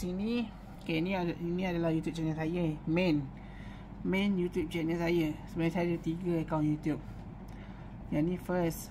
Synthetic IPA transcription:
sinĩ | kɛnĩainĩadalahjut̪jup̚t͡ʃɛnəsajəmɛ̃n | mɛ̃njut̪jup̚t͡ʃɛnəsajəsəbənasajadit̪iɡəəkawnjut̪jup̚ | janifəs

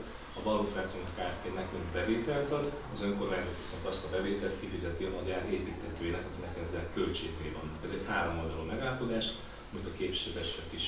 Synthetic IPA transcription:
ɒbɒɾofɛt̪ont̪kaːrt̪eːnɛkminbɛveːt̪ɛlt̪ɒd̪ | ɒzø̞ŋko̞rmaːɲzɒt̪isɒŋkɒst̪ɒbɛveːt̪ɛlt̪kifizɛt̪iɒmɒɟaːɾeːpiːt̪hɛt̪øːjilɛkɒkinɛkɛzːɛlkølt͡ʃḛːɡneːlvɒ̰nːɒkɛzɛchaːɾo̞mo̞ld̪ɒlomɛɡaːlɒpo̞d̪aːʃ | ɒmit̪ɒkeːpi̥ʃɛd̪ɛʃkɛt̪iʃ

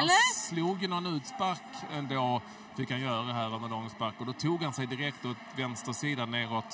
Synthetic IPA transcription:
sluːɡjənɔnʉ̟ːt̪spaɾkɛnd̪oː | fɪkhanjœːɾaaɛɦæːɾvanəd̪ɔːɡɛnspaɾkːɔd̪ɔt̪ʰuːɡhansɛjd̪ɪɾɛkt̪ɔt̪vɛnst̪əʂiːd̪anːeːɾɔt̪

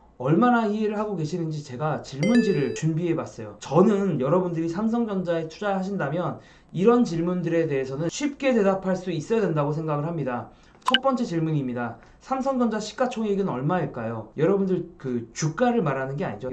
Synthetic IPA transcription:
ʌɭmanahiɦeɾɯɭɦaɡoɡe̞ɕʰinɯnd͡ʑit͡ɕe̞ɡat͡ɕiɭmund͡ʑiɾɯɭt͡ɕunbiɦebas͈ʌjot͡ɕʌnɯnjʌɾʌbundɯɾisʰamsʰʌŋd͡ʑʌnd͡ʑae̞tʰud͡ʑaɾɭɦaɕ̬ʰindamjʌn | iɾʌnt͡ɕiɭmundɯɾe̞de̞ɦesʰʌnɯnɕʰɥip̚k͈e̞te̞dapʰaɭs͈uis͈ʌjade̞ndaɡosʰe̞ŋɡaɡɯɭɦamɲida | t͡ɕʰʌt̚p͈ʌnt͡ɕ͈e̞t͡ɕiɭmuɲimɲida | sʰamsʰʌŋd͡ʑʌnd͡ʑaɕʰi̥k͈at͡ɕʰoŋiɡɯnʌɭmaiɭk͈ajojʌɾʌbundɯɭkɯt͡ɕuk͈aɾɯɭmaɾɦanɯnɡe̞a̰ɲid͡ʑo

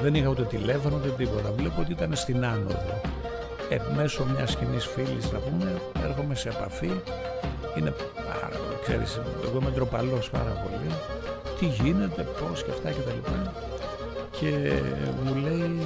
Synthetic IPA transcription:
ðe̞nixɐut̪e̞t̪ile̞fonout̪e̞t̪t̬ipo̞t̪ɐvlepoot̪iit̪ɐnest̪inɐno̞̰ðo | eme̞somɲɐscinisfilisθɐ̰pumee̞ɾxo̞mese̞ːpɐfi | ine̞ | pɐ̰ɾɐ̰po̰ikseɾḭsoɣoimet̪ɾo̞pɐlo̞spɐ̰ɾɐpo̞̰lit̪iʝine̞t̪e̞po̞scɐft̪ɐce̞t̪ɐlipɐ | cʰe̞mule̞i

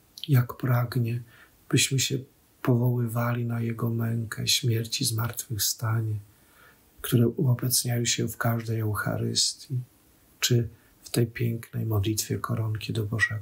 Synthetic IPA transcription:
jakpɾaɡɲɛ | b̥ɘɕmɘɕɛ | pɔvɔwɘvalʲinajɛɡɔmɛŋkʰɛ̰ɕmʲjɛɾt͡ɕizmaɾt̪fɘxst̪aɲɛ | kt̪uɾɛʔuɔbɛt̪sɲajɔ̃ɕɛfkaʐd̪ɛjɛwxa̰ɾɘɪ̰st̪ʲji | t͡ʂɘ | ft̪ɛjpʲjɛŋknɛjmɔd̪lʲit̪fʲjɛ̰kʰɔɾɔŋkʲid̪ɔbɔʐɛɡɔ

